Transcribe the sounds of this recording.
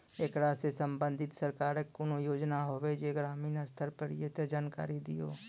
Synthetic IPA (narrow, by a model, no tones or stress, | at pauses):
eːkɾaːsesəmbə̃nd̪ʱɪt̪səɾkaːɾekʊnojoːd͡ʒnaɦoːʋed͡ʒeɡɾaːmiːnast̪ʰəɾpəɾḭjet̪ed͡ʒaːnka̰ːɾid̪ɪ̰jo̰ː